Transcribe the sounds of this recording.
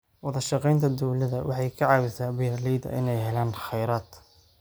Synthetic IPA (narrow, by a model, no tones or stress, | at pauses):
wɑðɐʃɑqɛjnt̪ʰɐd̪ɔwlɐðɐwɑ̰ħɑjkʰɐʕɑːwɪsaːbɪjɐliːd̪ɐ̰ʔɪ̰nɛjɦɛlaːnχɛjɾaːd̪